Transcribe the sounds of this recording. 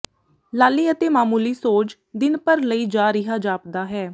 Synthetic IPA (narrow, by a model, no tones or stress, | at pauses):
laːliːət̪eːmaːmuːliːsoːt͡ʃ | d̪ɪnpəɾləiːd͡ʒaːɾɪɦaːd͡ʒaːp̚d̪aːɦɛː